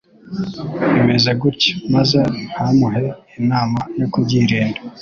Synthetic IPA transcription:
emezeɡuɾce̥mazenhamuɦeː | naːmajokubɟiːɾeːnda

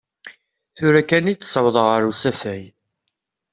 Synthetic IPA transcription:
θuɾækːænit͡sːsˤəwðˤəʁəɾusæfæj

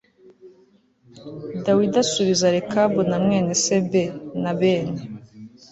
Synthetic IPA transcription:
dawidasuβizaɾekʰabunamŋeːnesebenaβeːne

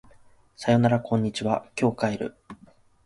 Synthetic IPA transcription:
sajo̞naɾakʰõ̞ɲ̟ːit͡ɕiβakʲo̞ːkaiɾɯ̟̰

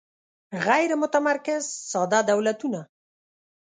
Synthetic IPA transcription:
ɣajɾmʊt̪amaɾkɪzsɑd̪ɑd̪awlat̪una

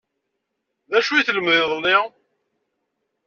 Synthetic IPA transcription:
ðæʃujiθləmðɪðˤnːɪ

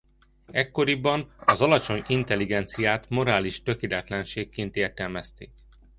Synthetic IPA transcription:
ɛkːo̞ɾibːɒnɒzɒlɒt͡ʃo̞ɲint̪ɛliɡɛnt̪sijaːt̪mo̞ɾaːliʃt̪ø̞keːlɛt̪lɛnʃeːkːeːnt̪eːrt̪ɛlmɛst̪eːk̚

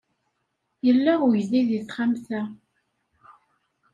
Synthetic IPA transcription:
jəlːæʊʝðiðiθχamθæ

